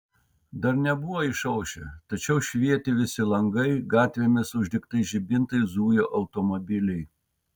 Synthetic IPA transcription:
d̪ɐɾnʲɛbʊʋoːɪʃɐʊʃʲɛ̰t̪ɐt͡ʃʲɛʊʃʲʋʲiɛt̪ʲɪʋʲɪsʲɪlˠɐŋɡɐɪɡɑːt̪ʲʋʲeːmʲɪsʊʒʲd̪ʲɪkt̪ɐɪʒʲɪbʲɪnt̪ɐɪzuːjoːʔɐʊt̪oːmobʲɪlʲɛɪ

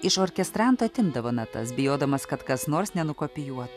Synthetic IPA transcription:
ɪʃoːɾʲkʲɛst̪ɾɑnt̪oːɐt̪ʲɪnd̪ɐʋoːnɐt̪ɐ̰sbʲɪjoːd̪ɐmɐskɐt̪kɐsnoːɾsnʲɛnʊkoːpʲɪjuɔt̪ʊ

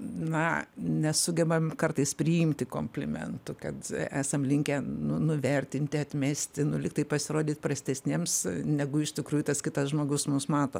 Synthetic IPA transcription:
nɐnʲɛsʊɡʲɛbɐmkɐrt̪ɐɪspʲɾʲɪjɪmʲt̪ʲɪko̰ːmʲpʲlʲɪmʲɛ̰nt̪ʊkɐt̪æːsɐmlʲɪŋʲkʲænʊnʊʋʲɛrʲt̪ʲɪnʲt̪ʲɪɐt̪ʲmʲæːsʲt̪ʲɪnʊlʲɪk̚t̪ɐɪpɐsʲɪɾoːd̪ʲiːt̪ʲprɐsʲt̪ʲɛsʲnʲeːmsnʲɛɡʊɪʃt̪ʲɪkɾuːjut̪ɐskʲɪt̪ɐsʒmoːɡʊsmʊmsmɑːt̪o̰ː

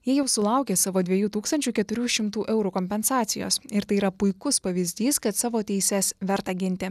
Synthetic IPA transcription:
jiɛjɛʊsʊlˠɐˑʊkʲeːsɑːʋoːd̪ʲʋʲɛjuːt̪uːkst̪ɐnʲt͡ʃʲuːkʲɛt̪ʊɾʲuːʃʲɪmt̪uːʔɛʊɾukoːmʲpʲɛnsɑːt̪sʲɪjo̰ːsɪɾt̪ɐɪiːɾɐpʊɪkʊspɐʋʲiːzʲd̪ʲiːskɐt̪sɑːʋoːt̪ʲɛɪsʲɛsʋʲɛɾt̪ɑːɡʲɪnʲt̪ʲɪ

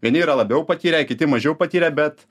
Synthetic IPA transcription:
ʋʲiɛnʲɪːɾɐlˠɐbʲɛʊpɐt̪ʲiːɾʲɛkʲɪt̪ʲɪmɐʒʲɛʊpɐt̪ʲiːɾʲɛbʲɛt̪

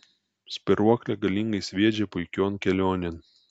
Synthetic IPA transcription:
sʲpʲɪɾuɔklʲɛɡɐlʲiŋɡɐɪsʲʋʲiɛd͡ʒʲɛpʊɪkʲoːnkʲɛlʲoːnʲɪn

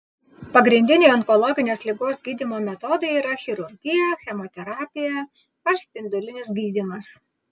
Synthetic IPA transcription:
pɐɡɾʲɪnʲd̪ʲɪnʲɛɪɔŋkɔlˠɔɡʲɪnʲeːslʲɪɡoːsɡʲiːd̪ʲimoːmʲɛt̪ɔd̪ɐɪiːɾɐxʲɪɾʊɾʲɡʲɪjɛxʲɛmɔt̪ʲɛɾɑːpʲɪjɛ | ɐɾspʲɪnd̪ʊlʲɪnʲɪsɡʲiːd̪ʲimɐs

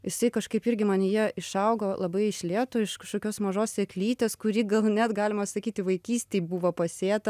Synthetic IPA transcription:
jɪsɐɪkɐʃkɐɪpɪɾʲɡʲɪmɑnʲjiɛɪʃɐʊɡolˠɐbɐɪɪʃʲlʲeːt̪oːɪʃkɐʃkoːkʲoːsmɐʒoːssʲeklʲiːt̪ʲeːskʊɾʲiːɡɐlˠnʲɛt̪ɡɑːlʲɪmɐsɐkʲiːt̪ʲɪʋɐɪkʲiːsʲt̪ʲeːbuːʋɐpɐsʲeːt̪ɐ

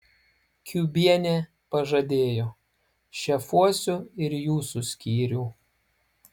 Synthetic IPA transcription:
kʲuːbʲiɛnʲeː | pɐʒɐd̪ʲeːjoː | ʃʲɛfuɔsʲʊɪɾjuːsusʲkʲiːɾʲuː

